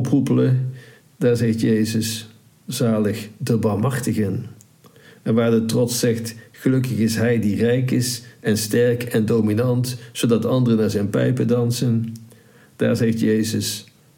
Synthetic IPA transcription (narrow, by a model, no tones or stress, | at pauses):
ɔprupələ | d̥aːɹzɛxtjejzəs | z̥aːləχdəbaɹmɦɑχtəɣən | ʔɛnʋaːɹdətrɔtsɛxtχəlɵkəχɪsɦɛjdirɛjkɪsʔɛnstɛɹkɛndowminɑntsodɑtɑndərənaːɹzɛjnpɛjpədɑnsən | d̥a̰ːɹzɛxtjejzəs